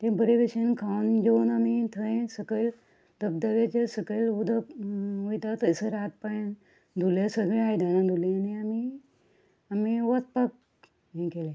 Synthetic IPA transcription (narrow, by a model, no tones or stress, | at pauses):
t̪ebəɾeʋeɕinkʰawnd͡ʑeunamit̪ʰəẽsəkəl | t̪əp̚d̪əʋet͡ɕesəkəlud̪ʱəpujt̪at̪əjsəɾat̪̚paɽẽn | d̪ʱuljesəɡɭeajd̪ʱanãd̪ʱulẽaniami | amiʋət̪̚pak̚ | ɦẽkelẽ